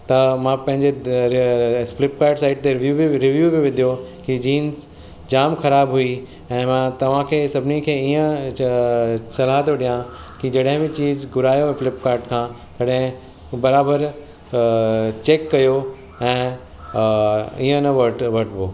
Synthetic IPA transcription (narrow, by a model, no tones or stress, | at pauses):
t̪ɐmãpɐ̃ɦɪ̃ɲd͡ʑe | flɪpkaːɾʈsaːɪʈ̚t̪eʋjuːbiɾɪʋjuːbiʋɪd̪ʱijokid͡ʑiːnz | d͡ʑaːmxɐɾaːbɦui | ɛ̃ːmãt̪ɐʋ̤ãkʰeːsɐbʱɪnikʰeːiə̃ | sɐlaɦaɦt̪ʰoɗijã | kid͡ʑɐɗɦɪ̃bɪt͡ɕiːzɡʊɾaːjofɪlɪpkaːɾʈkʰãː | kɐɗɦɪ̃ | bɐɾaːbəɾ | t͡ɕeːkːɐjo | ɛ̃ː | iːə̃nɐʋɐʈʋɐʈʰboː